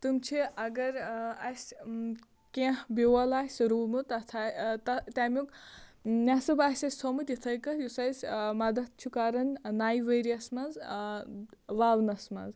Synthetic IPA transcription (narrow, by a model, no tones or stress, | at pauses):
t̪ɨmt͡ʃʰiɐɡɐɾɐsʲ | kebiwɐlaːsɾuːmut̪ɐt̪ʰat̪ɐt̪amʲuk | nʲasɨbaːsʲɐsʲsʰomut̪it̪ʰɐjkɐjusɐsʲmɐd̪ɐt̪̚t͡ʃʰukaːɾɐnnaːjʋɐɾiɐsmɐz | ʋaːwnɐsmɐ̰z